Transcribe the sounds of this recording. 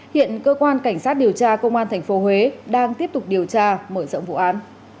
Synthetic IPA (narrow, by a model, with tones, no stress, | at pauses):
hḭ˧˨ənkəː˧kwaː˧nka˧˩jŋ̟saː˦˥t̚ɗi˨˩əwt͡ɕaː˧kə˧wŋ͡mʔaː˧nt̪ʰɛ˨˩jŋ̟fo˨˦hwe˨˦ɗaː˧ŋt̪i˦˥əp̚t̪ʊ˨˩k͡p̚ɗi˨˩əwt͡ɕaː˧məː˧˩zə̰˧˨wŋ͡mvṵ˧˨ʔaː˨˦n